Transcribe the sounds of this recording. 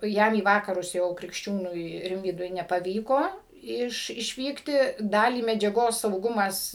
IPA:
ˈjɛm iː ˈʋɑːkɐrʊs jɛʊ krʲɪkʃʲˈt͡ʃʲuːnʊɪ ˈrʲɪmʲʋʲiːdʊɪ nʲɛpɐˈʋʲiːkoː ˈɪʃ ɪʃʲˈʋʲiːktʲɪ ˈdɑːlʲiː mʲɛd͡ʒʲɛˈɡoːs sɐʊˈɡʊmɐs

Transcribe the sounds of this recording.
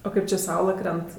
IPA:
oː ˈkɐɪp t͡ʃʲɪ ˈsɐʊlˠɐ ˈkrʲɛnt

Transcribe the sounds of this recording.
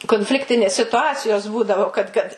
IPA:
koːnʲˈfʲlʲɪktʲɪnʲeːs sʲɪtʊˈɑːt͡sʲɪjoːs ˈbuːdɐʋoː kɐt kɐt

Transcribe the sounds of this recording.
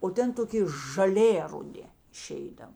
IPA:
oː ˈtʲɛn toːˈkʲɪ ʒɐˈlʲeː rʊˈdʲɪ ɪˈʃʲɛɪdɐw

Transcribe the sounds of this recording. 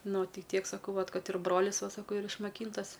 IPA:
ˈnʊ ˈtʲɪ ˈtʲiɛk sɐˈkɐʊ ʋɐt ˈkɐt ɪr ˈbroːlʲɪs ˈʋɐ ˈsɑːkoː iːr ɪʃmɐˈkʲiːntɐs

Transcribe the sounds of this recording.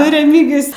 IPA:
nʊ rʲɛˈmʲiːɡʲɪjʊs

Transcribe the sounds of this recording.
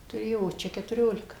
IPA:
tʊˈrʲeːjoː oː ˈt͡ʃʲɛ kʲɛtʊˈrʲoːlʲɪkɐ

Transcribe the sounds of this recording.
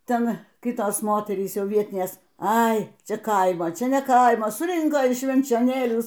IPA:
ˈtʲɛn ˈkʲɪtoːs ˈmoːtʲɛrʲiːs ˈjɛʊ ˈʋʲiɛtʲɪnʲeːs ˈɐɪ ˈt͡ʃʲɛ ˈkɐɪmoː ˈt͡ʃʲɛ nʲɛ ˈkɐɪmoː sʊˈrʲɪŋkoː ɪʃ ʃʲʋʲɛnʲt͡ʃʲoːˈnʲeːlʲuː

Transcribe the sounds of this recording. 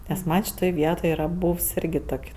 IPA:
nʲɛs ˈmɐnʲ ʃʲɪˈtoːj ˈʋʲiɛtoːj ˈiːrɐ ˈbuːws ˈɪrʲɡʲɪ ˈtoːkʲ

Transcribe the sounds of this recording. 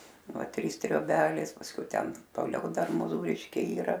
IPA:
ˈʋɐ ˈtʲrʲiːs tʲrʲoːˈbʲæːlʲeːs pɐsʲˈkʲɛʊ ˈtʲɛn toːˈlʲɛʊ ˈdɐr moːˈzuːrʲɪʃʲkʲɛɪ iːˈrɐ

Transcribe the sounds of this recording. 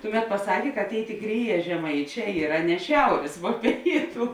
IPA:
ˈtʊˌmʲɛt pɐˈsɑːkʲeː kɐt ˈtʲeːɪ tʲeːˈkrʲeːˌjɛː ʒʲɛˈmɐɪˌt͡ʃʲɛː ˈiːrɐ nʲɛ ˈʃʲɛʊrʲeːs ʋuɔ ˈpʲeːɪtʊ

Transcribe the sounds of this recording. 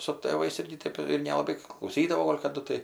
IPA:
sʊ tʲeːʋɐɪs ˈɪrʲɡʲɪ ˈtʲeːp ɪr nʲɛlˠɐˈbɐɪ klˠɐʊˈsʲiːdɐʋoː ˈɡoːlʲ kɐˈdʊ tɐɪ

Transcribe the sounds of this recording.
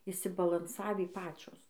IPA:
ɪʃʲsʲɪbɐlˠɐnˈsɑːʋʲiː ˈpɑːt͡ʃʲoːs

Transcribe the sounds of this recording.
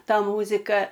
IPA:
ˈtɐ ˈmuːzʲɪkɐ

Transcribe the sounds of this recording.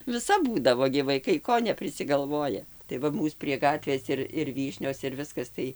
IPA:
ʋʲɪˈsɐp ˈbuːdɐʋoː ɡʲɪ ʋɐɪˈkɐɪ ˈkoː nʲɛpʲrʲɪsʲɪɡɐlˠˈʋoːjɛ tɐɪ ˈʋɐ ˈmuːs pʲrʲiɛ ˈɡɑːtʲʋʲeːs ɪr ɪr ˈʋʲiːʃʲnʲoːs ɪr ˈʋʲɪskɐs tɐɪ

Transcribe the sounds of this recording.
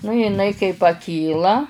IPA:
nʊ jɪˈnɐɪ kɐɪ pɐˈkʲiːlˠɐ

